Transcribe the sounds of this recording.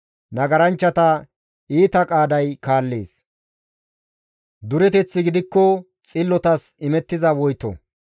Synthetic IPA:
nɐɡɐɾɐnt͡ʃːɐt̪ɐ | iːt̪ɐkʼaːd̪ɐjkaːlːe̞̰ːs | d̪ʊɾɛt̪ɛt͡sːɪɡɪd̪ɪkːɔ | t͡sʼɪlːɔt̪ɐsɪmɛt̪ːɪzɐwɔjt̪ɔ̰

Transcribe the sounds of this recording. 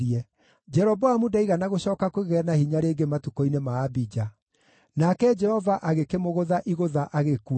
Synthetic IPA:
iɛ | d͡ʒɛɾɔbɔamudaiɣanaɣoɕɔːkakoɣeɣɛnahiɲaɾeːɡematukoinemaːbid͡ʒa | nakɛd͡ʒɛhɔvaʔaɣekemoɣoðaʔiɣoðaʔaɣeku

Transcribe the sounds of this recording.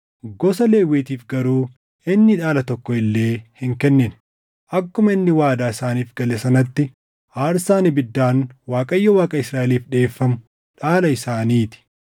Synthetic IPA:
ɡɔsɐle̞ːwiːt̪iːfɡɐɾuː | ɪnːɪᶑaːlɐt̪ɔkːɔɪlːe̞ːhɪŋkɛnːɪn | ʔɐkːʊmɐɪnːɪwaːd̪aːɪsaːniːfɡɐlɛsɐnɐt̪ːɪ | ʔaːɾsaːnɪbɪd̪ːaːnwaːkʼɐjːɔwaːkʼɐɪsɾaːʔɛliːfᶑe̞ːfːɐmʊ | ᶑaːlɐɪsaːniːt̪ɪ̥

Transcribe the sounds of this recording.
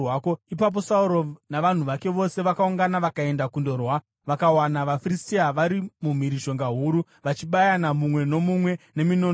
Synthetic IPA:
wakoipap̬o̞sauɾonaʋan̤uʋake̞ʋo̞se̞ʋakauŋɡanaʋakae̞ndakundo̞rwa | ʋakawanaʋafiristiaʋaɾimum̤iɾiʃo̞ŋɡaɦuɾu | ʋat͡ʃiɓajanamumwe̞no̞mumwe̞ne̞mino

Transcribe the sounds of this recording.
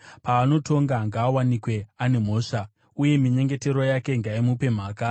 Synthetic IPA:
paːnoto̞ŋɡaŋɡaːwanikwe̞ane̞m̤o̞ːʂa | uje̞miɲe̞ŋɡe̞te̞ɾo̞jake̞ŋɡaimupe̞m̤aːka

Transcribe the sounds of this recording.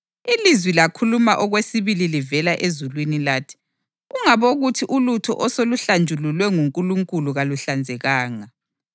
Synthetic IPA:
ilizwilakʰulumaʔɔɣwesiβililivɛlaʔezulwinilaːtʰi̥ | uŋaβoɣutʰiʔulutʰɔ̰ʔɔsoluɬand͡ʒʱululwɛŋuŋkʼuluŋkʼuluɣaluɬand͡zʱɛɣaːŋa

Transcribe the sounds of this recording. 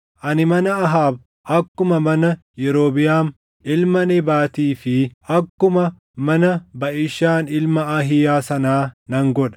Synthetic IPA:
ʔɐnɪmɐnɐɐɦaːb | ʔɐkːʊmɐmɐnɐjɛɾo̞ːbɪjaːm | ɪlmɐnɛbaːt̪iːfɪʔɐkːʊmɐ | mɐnɐbɐʔɪʃːaːnɪlmɐɐɦɪjaːsɐnaːnɐŋɡɔᶑɐ̥

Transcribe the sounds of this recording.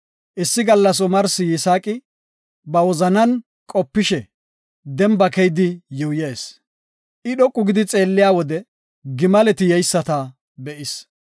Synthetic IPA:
ʔɪsːɪɡɐlːɐs̬ʊmɐɾsɪjɪsaːkʼɪ | bɐwɔzɐnɐn | kʼɔpːɪʃɛ | d̪ɛmbɐkɛjd̪ɪjʊjeːs | ʔɪɗɔkʼːʊɡɪd̪ɪt͡sʼe̞ːlːɪjaːwɔd̪ɛ | ɡɪmɐlɛt̪ɪjɛjsːɐt̪ɐ | bɛʔɪs

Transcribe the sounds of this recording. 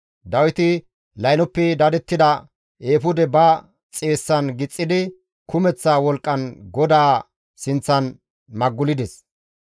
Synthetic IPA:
d̪ɐwɪt̪ɪ | lɐjnɔpːɛd̪ɐd̪ɛt̪ːɪd̪ɐ | eːfʊd̪ɛbɐ | t͡sʼe̞ːsːɐnɡɪt͡sʼːɪd̪ɪ | kʰʊmɛt͡sːawɔlkʼːɐnɡɔd̪aː | sɪnt͡sːɐn | mɐɡːʊlɪd̪ɛs

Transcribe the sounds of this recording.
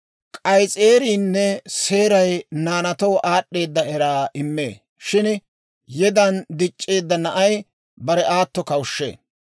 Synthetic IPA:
kʼɐjt͡sʼeːɾiːnːɛse̞ːɾɐjnaːnɐt̪ɔwʔaːɗːe̞ːd̪ːɐɛɾaːʔɪmːḛː | ʃɪn | jɛd̪ɐnd̪ɪt͡ʃʼːeːd̪ːɐnɐʔɐj | bɐɾɛʔaːt̪ːɔkɐwʃːḛː

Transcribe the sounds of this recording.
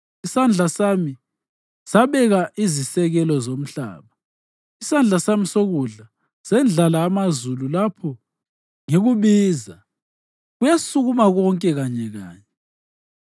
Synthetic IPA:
isand͡ɮʱasami | saβɛɣaʔizisɛɣɛlɔzom̩ɬa̰ːβa | isand͡ɮʱasamisoɣuɮa | sɛnd͡ɮʱalaːmazululapʰɔ | ŋeɣuβiːza | ɣujasuɣumaɣɔŋkʼɛɣaɲɛɣa̰ːɲɛ

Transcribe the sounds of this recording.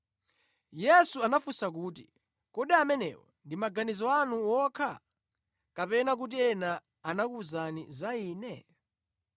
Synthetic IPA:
jɛsuanafusak̬uːti | kɔɗiamɛnɛ̰wɔ̰ndimaɡanizɔanuwɔkʰa | kapɛnak̬ut̬iɛnaː | nakuzanizaiːnɛ

